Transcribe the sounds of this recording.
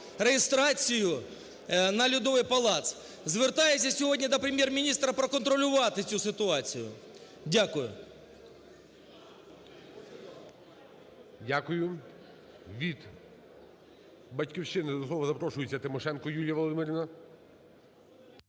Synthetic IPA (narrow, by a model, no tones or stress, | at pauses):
ɾejɪst̪ɾɑt͡sʲijʊ | nɐlʲʊd̪ɔʋɪjpɐlˠɑt̪s | zʋert̪ɑjesʲɐsʲɔɦɔdʲnʲid̪ɐpɾemʲjermʲinʲist̪ɾɐpɾɐkɔnt̪ɾɔlʲʊʋɑt̪ɪt͡sʲusɪt̪ʊɑt͡sʲijʊ̰dʲakʊjʊ̰ | dʲakʊjʊ | ʋʲid̪ | bɐtʲkʲiwʃɪnɪd̪ɔslˠɔʋɐzɐpɾɔʃʊjet͡sʲːɐt̪ɪmɔʃɛnkɔjulʲjɐʋɔlˠɔd̪ɪmɪɾʲiʋnɐ